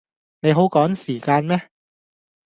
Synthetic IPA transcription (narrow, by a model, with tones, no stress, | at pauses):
ne˨˧jɦo˨˥wkɔː˨˥ŋsiː˨˩kaː˧nmɛ˥